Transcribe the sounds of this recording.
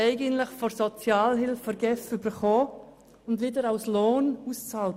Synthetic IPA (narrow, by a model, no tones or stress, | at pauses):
ɛɪɡəntlɪχfɔɾsɔt͡sjaːlɦɪlfəɾɡɛfybəɾχoː | ʊndʋɪdəɾaʊsloːnuːst͡saːl